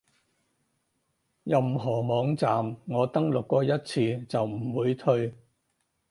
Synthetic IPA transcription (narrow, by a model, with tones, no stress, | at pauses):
jɐ˨mɦɔː˨˩mɔː˨˧ŋt͡saː˨mŋɔː˨˧t̪ɐ˥ŋlʊ˨kːɔː˧jɐ˥t̚t͡sʰiː˧t͡sɐ˨wm̩˨˩wuː˨˧jt̪ʰɵ˧ɥ